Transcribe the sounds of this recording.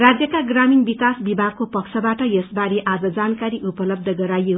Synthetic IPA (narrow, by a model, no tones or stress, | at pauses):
rad͡zjʌkaɡraminbikasbibʱaɡ̚kopʌksʰʌbaʈʌjʌsbaɾeʔad͡zʌd͡zankaɾiʔupʌlʌb̚d̪ʱʌɡʌɾajo